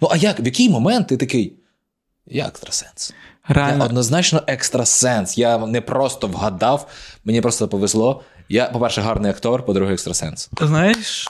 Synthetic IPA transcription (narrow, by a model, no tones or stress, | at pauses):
nuʔɐjakʋjɐkɪjmɔmɛnt̪ːɪt̪ɐkɪj | jaɛ̰kst̪ɾɐ̥sɛ̥nsɾeaɛʔɔd̪nɔznɑt͡ʃnɔʔɛkst̪ɾɐsɛnsjanɛpɾʔɔst̪ɔʋɦɐd̪ɑwmenʲipɾɔst̪ɔpɔʋezlˠɔjapɔpɛrʃɛɦɑrnɪjɐkt̪ɔrpɔd̪ɾuɦɪɛkst̪ɾɐsɛ̰nst̪ɪznajɪʃ